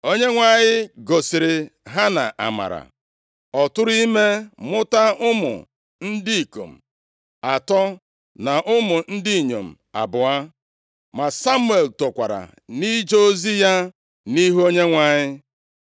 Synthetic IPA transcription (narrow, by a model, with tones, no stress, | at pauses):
o˦ɲe˦ŋʷa˨ɲɪ˦ɡo˨sɪ˨ɾɪ˨ɦa˦na̰˨ʔa̰˨ma̰˨ɾa̰˨ | ɔ˨tʊ˦ɾi˦me˦mʊ˦ta˦ʔʊ˦mʊ̰˨ | n̩˦di˦i˨ko̰˨m̩˨ | a˨tɔ˦ | na˨ʔʊ˦mʊ˨n̩˦dɪ˦i˨ɲo˨m̩˨ | a̰˨bʊ˨a˦ | ma˨sa˦mu˦e˨lto˨kʷa˨ɾa̰˨ | ni˦d͡ʒo˦o˦zi˦ja˦ | ni˦ɦu˦o˦ɲe˦ŋʷa˨ɲɪ˦